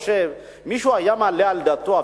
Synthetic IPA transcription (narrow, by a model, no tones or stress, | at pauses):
ʃɛ | miʃuajamalɛald̪at̪ːoa